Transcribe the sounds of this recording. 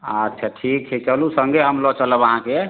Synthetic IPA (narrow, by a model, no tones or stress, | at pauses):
ətːʃʰəʈʰikt͡ʃʰit͡ʃəlusəŋɡeɦəmlɔt͡ʃələbəɦãke